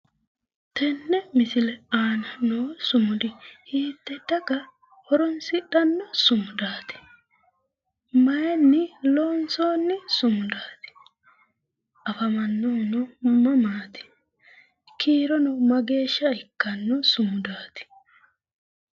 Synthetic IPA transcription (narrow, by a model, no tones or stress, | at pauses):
t̪ɛnːɛmɪsɪlɛaːnɐnoːsʊmʊd̪ɪhiːt̪ːɛd̪̥ɐɡɐ | hɔɾɔnsɪᶑɐnːɔsʊmʊd̪aːt̪ɪ̥ | mɐjɛnːɪloːnso̞ːnːɪsʊmʊd̪aːt̪ɪ̥ | ʔɐfɐmɐnːoːnɔmɐmaːt̪ɪ̥ | kʰiːɾɔnɔmɐɡe̞ːʃːɐɪkːɐnːɔsʊmʊd̪aːt̪ɪ̥